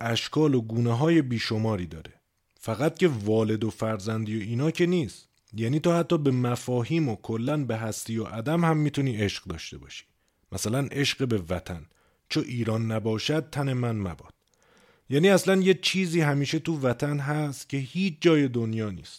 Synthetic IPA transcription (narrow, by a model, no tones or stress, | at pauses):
ʔæʃkʰɒːlo̞ɡuːneɦɒːje̞biːʃo̞mɒːɾiːd̪ɒ̰ːɾe̞ | fæɣæt̪̚cʰe̞vɒːle̞d̪o̞fæɾzænd̪ijoiːnɒːcʰe̞niːst̪ | jæːniːt̪ohæt̪ʰːɒːbe̞mæfɒːɦiːmokʰo̞lːænbe̞ɦæst̪iːoʔæd̪æmhæmːiːt̪ʰuniːʔe̞ʃɢd̪ɒ̰ːʃt̪e̞̰bɒ̰ːʃi̥ː | mæsælænʔe̞ʃɢebe̞væt̪ʰæ̰n | t͡ʃʰoʔiːɾɒːnːæbɒːʃæd̪̚t̪ʰæne̞mænmæ̰bɒ̰ːd̪̥̚ | jæːniːæslænjet͡ʃʰiːziːɦæmiːʃet̪uvæt̪ʰænɦæst̪cʲʰe̞hiːt͡ʃʰd͡ʒɒːje̞d̪o̞njɒːnḭːst̪